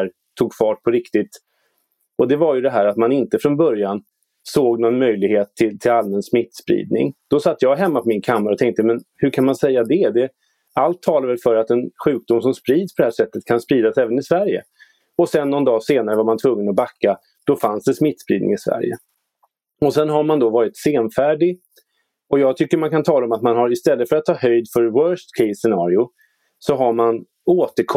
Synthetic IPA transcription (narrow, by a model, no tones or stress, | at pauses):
ɾ | t̪ʰuːɡfɑːʈ̚pʰɔɾɪkt̪ɪt̪ | ɔd̪ɛvajɵd̪ɛɦæːɾat̪manɪnt̪əfɾɔnbœɾjan | soːɡnɔnmœjlɪɡheːt̪ʰːɪlt̪ʰɪlalmɛnsmɪt̪ːspɾḭːd̪̚nɪ̰ŋd̪̥ɔsat̪ːjɑːɡɦɛmːapʰɔmɪnkʰamːaɾɔt̪ʰɛŋk̚t̪əmɛnhɵɾkʰanmansɛjːad̪ɛd̪ɛ | alt̪ʰːɑːlavɛlfœɾat̪ɛnɧʉ̟ːk̚d̪ʊms̬ɔmspɾiːd̪spɔd̪ɛhæːʂɛt̪ːət̪̚kʰanspɾiːd̪asɛːvənɪsvæɾjə̰ | ɔsɛnːɔnd̪ɑːseːnaɾəvaɾmant̪ʰvɵŋːənɔbakːa | d̪̥ɔfansd̪ɛsmɪt̪ːspɾḭːd̪nɪ̰ŋɪsvæ̰ɾjə̰ | ɔsɛnɦaɾmand̪ɔvɑːɾɪt̪seːnfæːɖɪ | ɔjɑːɡ̚t̪ʰʏkːəɾmankʰant̪ʰɑːlaɔmat̪manɦaɾɪst̪ɛlːət̪fœɾat̪ʰːɑːhœjd̪fœɾwœːʂt̪kʰɛsɛnɑːɾɪʊ | sɔɦaɾman | oːt̪əɾkʰ